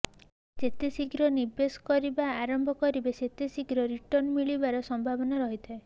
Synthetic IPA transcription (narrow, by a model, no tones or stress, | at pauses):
d͡ʒet̪esiɡɾɔniɾbesɔ̥kɔɾibaːɾɔmbʱɔkɔɾibeset̪esiɡɾɔɾiʈɔnmiɭibaɾɔsɔmbʱabɔnaɾɔɦit̪ʰae